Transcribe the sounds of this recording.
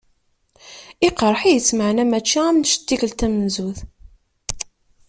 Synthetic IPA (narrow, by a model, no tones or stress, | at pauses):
ɪqəɾˤħijət͡sːməʕnæmæt͡ʃːiæmʃt̪ːikəlt̪æmnzuθ